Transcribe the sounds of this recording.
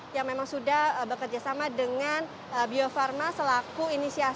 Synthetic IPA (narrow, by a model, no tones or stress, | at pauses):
jaŋmemaŋsudahəbəkərd͡ʒasamadəŋan | əbiofarmasəlakuinisia